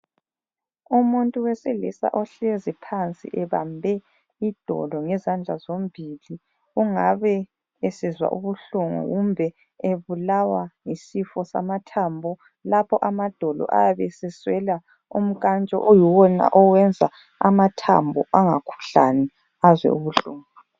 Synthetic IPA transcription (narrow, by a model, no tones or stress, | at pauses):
umuntʼuwɛselḭsa̰ʔɔɬezipʰant͡sʼḭʔɛβa̰mbʱɛ | id̥ʱɔ̰lɔŋɛzand͡ɮʱazombʱili | uŋaβɛ | esizwa̰ʔuβuɬuŋṵɣumbʱɛ | eβulawaisifɔsa̰matʰambʱɔ | lapʰɔʔamad̥ʱɔlɔ̰ʔa̰jaβɛsɛswɛla | ṵm̩kʼant͡ʃʼɔ̰ʔujiwɔna̰ʔɔwɛnd͡zʱa | amatʰa̰mbʱɔʔaŋakʰu̥ɬanɛ | azwɛ̰uβuɬuːŋu